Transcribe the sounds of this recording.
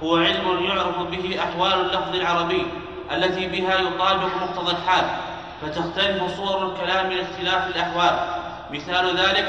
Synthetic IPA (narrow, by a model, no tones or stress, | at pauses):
hʊwaʕɪlmʊnjʊʕɾɑfbɪɦɪʔaħwaːlalːɑfðˤɪlʕɑɾˤɑbɪjː | ʔalːat̪iːbɪɦaːjʊt̪ˤɑːbɪqmʊq̚t̪ɑðˤɑlħaːl | fat̪axt̪alɪfʊsˤʊwɑɾˤalkalaːmːɪnɪxt̪ɪlaːfɪlʔaħwaːl | mɪθaːlðaːlɪk